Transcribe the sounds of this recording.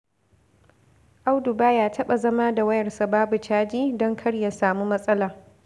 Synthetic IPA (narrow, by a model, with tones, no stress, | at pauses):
ʔa˦wdʊ˨baː˦jaː˦tʰɐ˦ɓa˨zɐ˦maː˦da˨wɐ˦jɐ˨rsa˨baː˦bu˨t͡ʃaː˦d͡ʒiː˦dɔ˦ŋkʰɐ˦ɽja˨saː˨mu˦mɐ˦sʼɐ˦laː˨